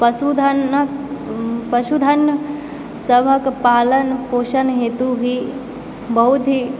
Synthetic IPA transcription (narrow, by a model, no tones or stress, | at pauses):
pɐsud̪ʱənk | pɐʃud̪ʱɐn | sɐbʱəkpaːlənkoːʃənɦeːt̪ubʱi | bɐɦut̪ɦi